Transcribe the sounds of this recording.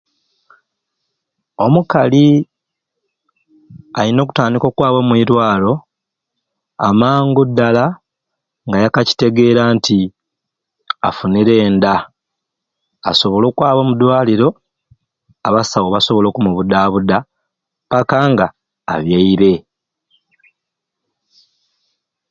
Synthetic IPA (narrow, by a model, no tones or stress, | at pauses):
o̞mukali | alino̞ːku̥taːndiko̞ːkwaːβwomwiːɾwaːlo̞ | a̰maːŋɡudːala | ŋɡajakaci̥te̞ɡe̞ːɾaːnti | a̰funiɾe̞ːnda | so̞βo̞lo̞ːkwaːβwomudwaːliɾo̞ | aβasawoβaso̞βo̞lo̞ːkumuβudaːβuda | pakaŋɡa̰ː | βjeiɾe̞